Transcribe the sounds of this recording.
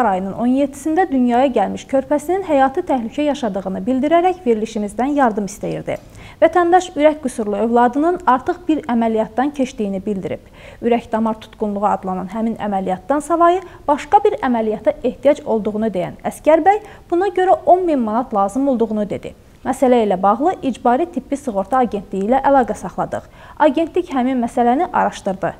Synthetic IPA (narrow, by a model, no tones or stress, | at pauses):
ɑɾɑjɯnɯnʔo̞njet̪ʰːi̥sind̪æd̪ynjɑːjɑɟælmiʃcʰø̞ɾpʰæsininɦæjɑːt̪ʰɯt̪ʰæhlycʰæjɑʃɑd̪ɯʁɯnɯbild̪iɾæɾæçve̞ɾiliʃimizd̪ænjɑɾd̪ɯmist̪æjḭɾd̪ḭ | væt̪ʰænd̪ɑʃyɾæçɡusuɾlˠuøvlˠɑd̪ɯnɯnɑɾt̪ʰɯχb̥iɾæmælijɑt̪̚d̪ɑncʰe̞ʃt̪ijinibild̪iɾḭb̥ | yɾæçd̪ɑmɑɾt̪ʰu̥t̪ɡunlˠuʁɑɑ̰d̪lˠɑnɑnɦæminæ̰mælijɑt̪d̪ɑnsɑlˠɑjɯb̥ɑʃkɑbiɾæmælijɑt̪ʰɑe̞ht̪ʰijɑd͡ʒo̞lˠd̪uʁunud̪e̞jæ̰næscæɾbæj | b̥unɑɟø̞ɾæʔo̞nminmɑnɑt̪ʰlˠɑːzɯmo̞lˠd̪uʁunud̪e̞d̪ḭ | mæsælæilæbɑʁlˠɯʔid͡ʒbɑːɾit̪ʰipʰːisɯɣo̞ɾt̪ʰɑːɟe̞nt̪ʰlijilæʔælˠɑːɡæsɑχlˠɑd̪ɯ̰χ | ɑɟe̞nt̪licɦæminmæsælæniʔɑ̰ɾɑʃt̪ɯɾd̪ɯ